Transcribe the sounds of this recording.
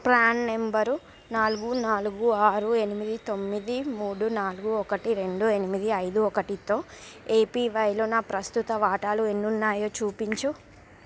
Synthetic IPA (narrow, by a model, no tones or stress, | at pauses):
plaːnːe̞mbɐɾ | naːluɡunaːluɡuaːɾue̞nimid̪it̪o̞mːid̪imuːɽunaːluɡuɔkɐʈiɾe̞ɳɖue̞nimid̪iɐjd̪uɔkɐʈit̪o̞ːe̞ːpiːʋɐjloːnaːpɾɐst̪ut̪ɐʋaːʈaːlue̞nːunːaːjoːt͡ʃuːpiɲt͡ʃu